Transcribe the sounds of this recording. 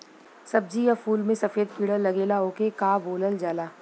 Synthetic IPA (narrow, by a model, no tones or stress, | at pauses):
sɐb̚d͡ʒijafuːlmẽsɐfeːd̪̚piːɽəlːɐɡeːlaoːkekaːboːləld͡ʒaːlaː